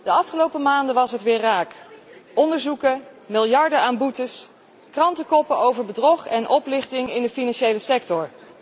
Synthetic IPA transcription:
d̥əɑfχəlowpəmaːndəʋɑsɦətʋɪːɹraːkɔndəɹzukəmɪlˠjɑɹdəaːnbutəs | krɑntəkɔpəowvəɹbədrɔχɛnʔɔplɪχtɪŋɪndəfinɑnʃejləsɛk̚tɔɹ

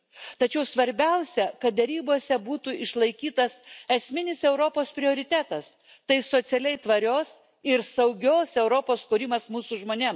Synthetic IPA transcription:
t̪ɐt͡ʃʲɛʊsʋɐɾʲbʲɛʊsʲɛkɐt̪̚d̪ʲɛɾʲiːboːsʲɛbuːt̪uɪʃlˠɐɪkʲiːt̪ɐsɛsʲmʲɪnʲɪsɛʊɾopoːspʲɾʲɪoːɾʲɪt̪ʲæːt̪ɐs | t̪ɐɪsot̪sʲɛlʲɛɪt̪ʋɐɾʲoːs | ɪɾsɐʊɡʲoːsɛʊɾopoːskʊɾʲɪmɐsmuːsuʒmoːnʲem

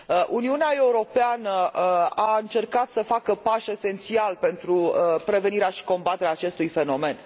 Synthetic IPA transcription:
əʔuniuneae̞uɾo̞peanəaɨnt͡ʃe̞rkat̪səfakəpaʃe̞se̞nt̪sialpe̞nt̪ɾupɾe̞ve̞niɾeaʃi̥ko̞mbat̪e̞ɾeaːt͡ʃe̞st̪ujfe̞no̞me̞n

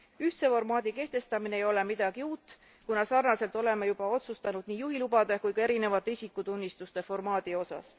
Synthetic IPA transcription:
yht̪se̞fo̞rmɑːd̪̥ike̞ht̪e̞st̪ɑmineejo̞le̞mid̪̥ɑɡ̥iuːt̪ːˑ | kunɑsɑrnɑse̞lt̪ːˑo̞le̞mejub̥ɑo̞t̪sust̪ɑnud̪̥niːjuɦilubɑd̪̥ekujkɑe̞ɾine̞vɑt̪ːˑeisikːˑut̪unʲːist̪ust̪e̞fo̞rmɑːd̪̥io̞sɑ̰s

